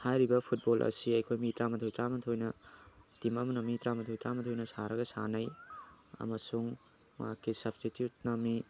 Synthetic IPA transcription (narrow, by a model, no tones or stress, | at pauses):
hajɾibɐpʰut̚bolʔɐ̰siɐjkʰojmitɾamɐtʰojtɾamɐtʰojnɐ | timɐmɐnɐmitɾamɐt̪ʰojtɾamɐtʰojnɐsaɾɐɡɐsa̰nɐj | ɐ̰mɐsuŋ | makʰːisɐb̥stitjut̚nɐmːi